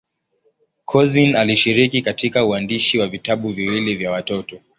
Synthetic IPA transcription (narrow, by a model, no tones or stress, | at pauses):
kʰɔzinaliʃiɾikikatikauandiʃiwavitaɓuviwilivjawatɔtɔ